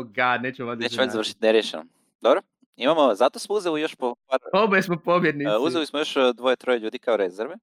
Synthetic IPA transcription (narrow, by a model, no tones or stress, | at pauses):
ɡad̪neːt͡ʃemoʋaeːt͡ɕeʋaʎzaɾr̩ʃi̥t̪neɾjeʃḛno̰ | d̪obɾo | imamozat̪osmouzelijo̞ʃpopaɾoboesmopobjed̪niuzelismojo̞ʃd̪ʋo̞jet̪ɾo̞jeʎuːd̪ikaoɾezeɾʋe